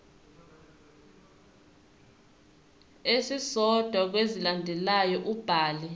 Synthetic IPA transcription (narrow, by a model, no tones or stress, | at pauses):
esisɔd̥ʱwak̬wezilandʱɛlajɔʔub̥ʱaːli